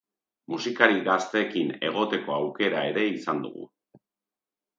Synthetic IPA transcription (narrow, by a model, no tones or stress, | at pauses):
musikaɾiɣast̪eːkine̞ɣ̞o̞t̪e̞ko̞awke̞ɾae̞ɾe̞isand̪ṵɣṵ